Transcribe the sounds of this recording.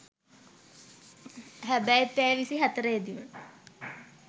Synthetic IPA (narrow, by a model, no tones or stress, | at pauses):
ɦæbæjp̪æjʋisiɦæt̪əɾəjed̪imə